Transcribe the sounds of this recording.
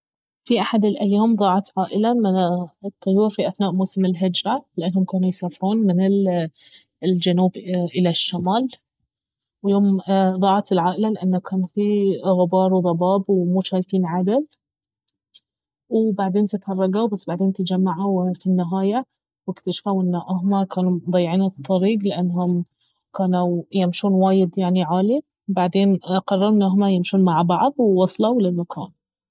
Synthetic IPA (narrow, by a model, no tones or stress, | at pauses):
fiʔaħad̪ɪlʔajːaːmðˤɑːʕɑt̪ʕaːʔɪlamɪt̪ˤːɑjːuːɾfiʔaθnaːʔmuːsɪmɪlɦɪd͡ʒɾˤalɪʔanːhʊmkaːnujsaːfɪɾuːnmɪnɪl | ld͡ʒanuːbʔɪlaʃːamaːl | wjoːmðˤɑːʕɑt̪ɪlʕaːʔɪlalɪʔanːakʰaːnfiɣʊbɑːɾˤwðˤɑbɑːbwmʊʃaːjfiːnʕad̪ad̪ | wɪbaʕd̪eːnt̪ɪt̪hɑrˤːɑɡawbasːbaʕd̪eːnt̪ɪd͡ʒamːaʕawfinːɪɦaːja | wɪkt̪aʃḁfawʔɪnːaʔaɦmakaːnud̪ˤɑjːʕiːnt̪ˤʰːɑɾiːɡlɪʔanːɦʊm | kaːnujamʃuːnwaːjɪd̪jaʕniʕaːli | baʕd̪eːnqɑrˤːɑɾnʔaɦmajɪmʃuːnmaʕbɑʕd̪ˤwɪwɑsˤlawlʔanːʊkʰa̰ːn